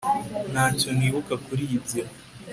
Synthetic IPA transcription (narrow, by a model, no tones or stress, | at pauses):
naːco̞niːβukakuɾiːzia